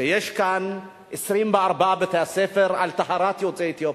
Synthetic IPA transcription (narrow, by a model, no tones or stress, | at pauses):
ejeʃkan | ʔesɾimbeaɾbaʔabet̪easefeɾʔalt̪aɦaɾat̪jot͡set̪jo